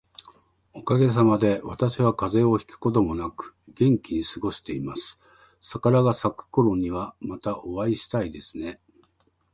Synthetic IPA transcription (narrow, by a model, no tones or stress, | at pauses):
o̞kaɡe̞s̬amad̪e̞βat̪aɕiβakaze̞o̞çi̥kɯ̟̥ko̞t̪o̞mo̞nakɯ̟̥ɡ̥ẽ̞ŋkʲiɲ̟isɨɡo̞ɕi̥t̪e̞imasɨ̥ | sakaɾaɡasakːɯ̥koɾõ̞ɲ̟ːiβamat̪aʔo̞βaiɕi̥t̪aid̪e̞sɨ̥ne̞